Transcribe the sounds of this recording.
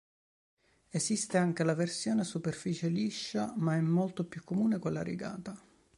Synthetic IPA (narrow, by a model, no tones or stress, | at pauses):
esist̪eaŋk̟elaversjoːnesuperfiːt͡ʃeliʃːamaɛmːolt̪opjukːomuːnekolːa̰ɾḭɡa̰ːt̪a